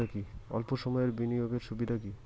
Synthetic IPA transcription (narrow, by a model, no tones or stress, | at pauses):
akiɔ̰lpoʃɔmɔeɾbinijoɡeɾʃubid̪ʱaki